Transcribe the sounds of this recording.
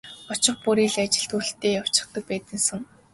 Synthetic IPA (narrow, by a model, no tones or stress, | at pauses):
ɔt͡ɕɪ̆χpuɾiːɮat͡ɕɪ̆ɬt̪uːɬt̪ʰːeːjaw̥t͡ɕɪ̆χt̪ə̆k̚pæːt̪ɘ̆nsə̆ŋ